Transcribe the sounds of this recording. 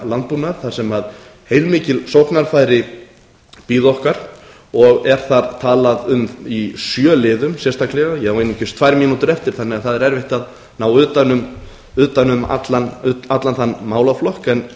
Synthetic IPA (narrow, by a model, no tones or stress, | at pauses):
lant̪̚puːnaɾ̥θḁsɛmaðhejlmɪːcɪlsɔwhknaɾ̥fajɾɪ | piːðɔhkaɾ̥ | ɔɣɛɾ̥θaɾt̪ʰaːlaðʏmisjœːlɪːðʏmsjɛrst̪ʰaklɛɣajɛhawejnːɪcʏst̪ʰv̥aːjɾmiːnut̪ʏɾɛft̪ɪɾ̥θanːɪɣaθaðɛɾɛɾvɪht̪að | naːwʏːt̪anʏm | ʏːt̪anʏmat̪lanat̪lanθanːmaːwlaflɔhkɛn